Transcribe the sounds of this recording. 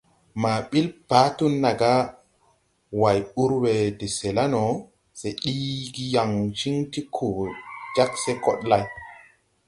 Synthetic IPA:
ma˨ɓi˦lpa˨˦tu˦nːa˨ɡa˦ | wa˨ju˦ɾwe˨de˨se˨la˦no˨ | se˨ɗi˦ɡi˦ja˨ŋʃi˦ŋti˦kʰu˨d͡ʒa˦kse˦kɔ˦ɗla˦j

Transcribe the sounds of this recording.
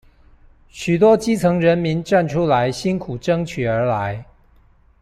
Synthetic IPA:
ɕy˨˩t̪̬wɔ˥t͡ɕi˥t͡sʰɤ˧˥ŋɻə˧˦˥nmi˨˧˥nʈ͡ʂa˥˨nʈ͡ʂʰu˥la˧˦˥ɪɕi˥nkʰu˨˩ʈ͡ʂɤ˥ŋt͡ɕʰy˨˩ə˞˧˥la˧˦˥ɪ

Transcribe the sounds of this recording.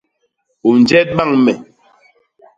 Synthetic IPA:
u˨n˨d͡ʒɛ˦t̚ɓa˦˨ŋmɛ˨

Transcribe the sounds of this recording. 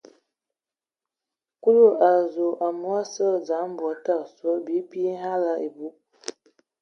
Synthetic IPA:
ku˦lu˦a˨zo˨ʔa˨mu˦a˦sə˦lza˨˦m˦bɔ˨ta˦˨sɔ˦bi˦pi˦ɦa˦la˦i˨bu˦

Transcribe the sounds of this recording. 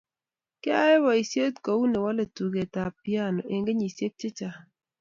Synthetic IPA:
kɪ˦a˦wa˨i˨sje˦tko˨u˦ne˨wa˦le˨tu˨ɡe˨ta˨pja˦˨no˨ʔe˨ŋɡe˦ɲi˨sje˦k̚t͡ʃɪ˦t͡ʃa˨

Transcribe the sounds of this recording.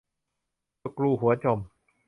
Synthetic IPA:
kɾuː˧˩ɦu˩˦ɐ˦t͡ɕo˧˩m

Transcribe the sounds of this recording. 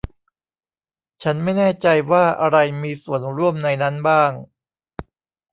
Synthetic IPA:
t͡ɕʰa˦˥nma˥˩jnɛː˥˩t͡ɕa˧jwaː˥˩ʔa˧ɾa˧jmiː˧su˨˩˦ənɾu˥˩əmna˧jna˦˥nbaː˥˩ŋ

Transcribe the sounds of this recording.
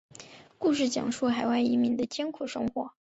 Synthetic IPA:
ku˥˧ʂɻ̩˥˩t͡ɕjɑ̰˨˩ŋʂu˥˩xa˨˩ɪwa˥˩ɪi˧˥mi˧˥nd̪ə˧t͡ɕjɛ˥nkʰu˨˩ʂɤ˥ŋxwɔ˨˩˥

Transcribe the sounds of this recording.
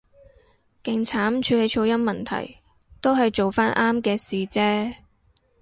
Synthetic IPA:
kɪ˨ŋt͡sʰaː˨˥mt͡ʃʰyː˧le˨˧jt͡ʃʰo˧wjɐ˥nmɐ˨nt̪ʰɐ̰˨˩j | t̪o˥wɦɐ˨jt͡ʃo˨wfaː˥nʔaː˥mkɛː˧siː˨˩t͡sɛː˥

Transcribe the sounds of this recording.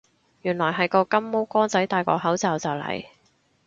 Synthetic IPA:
jyː˨˩nlɔː˨˩jɦɐ˨jkɔː˧kɐ˥mmo˥wkɔː˥ŋt͡sɐ˨˥jt̪aː˨jkɔː˧k̚ɦɐ˨˥wt͡sɐː˨˧wt͡sɐ˨wlɐ̰˨˩j

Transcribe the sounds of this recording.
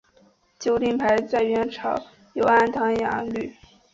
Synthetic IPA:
t͡ɕjo˥ʊt̪i˥˩ŋpʰa˧˥ɪt͡sa˥˩ɪɥɛ˧˥nʈ͡ʂʰɑ˨˩˦ʊ | jo˧˥ʊa˥nt̪ʰɑ˧˥ŋja̰˧˩˦ly˥˩

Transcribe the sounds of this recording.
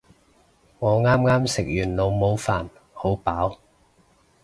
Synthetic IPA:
ŋɔː˨˧ŋaː˥mŋaː˥msɪ˨k̚jyː˨˩nlo˨˧wmo˨˧wfaː˨˩n | ho˨˥wpaː˨˥w

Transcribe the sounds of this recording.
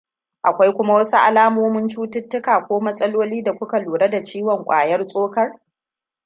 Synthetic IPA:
ʔa˨kʷa˦jkʷʊ˦ma˦wɐ˦su˦ʔa̰˨laː˦moː˦mʊ˦nt͡ʃuː˦tɪ˦tːʊ˦kaː˨kʷoː˦mɐ˦sʼɐ˦loː˦liː˦da˨kʷʊ˦ka˨luː˨ɽɐ˦da˨t͡ʃiː˦wɔ˨ŋkʷʼa̰ː˨jɐ˦rsʼoː˦kɐ˦r

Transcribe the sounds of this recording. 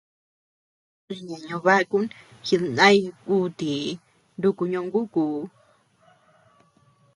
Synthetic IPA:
ã˧ɲã˨ɲõ˧βa˦˧ku˦nxi˧ðnã˦i˧ku˦t̪i˨ | ndu˧ku˧ɲõ˧ŋɡu˦ku˨

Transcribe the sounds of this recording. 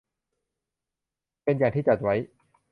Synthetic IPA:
pe˧njaː˨˩t̪iː˥˩t͡ɕa˨˩t̪̚wa˦˥j

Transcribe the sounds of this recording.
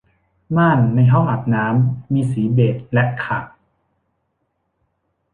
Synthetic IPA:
maː˥˩nːa˧jɦɔ˥˩ŋʔa˨˩p̚naː˦˥mːiː˧siː˩˦beː˨˩t̪̚lɛ˦˥ʔkʰaː˨˩k̚

